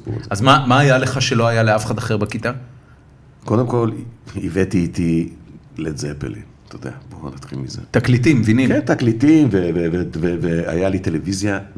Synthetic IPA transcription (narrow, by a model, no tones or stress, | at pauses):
bṵazmamaːjale̞χaʃe̞loajaleafeχad̪aχeʁbakit̪a | ko̞d̪emko̞livet̪iːt̪i | lezepḛlḭ | t̪ood̪eabo̰nat̪χilmizet̪aklit̪̬imːvinikent̪aklit̪imvevevevevea̰jalit̪elevizja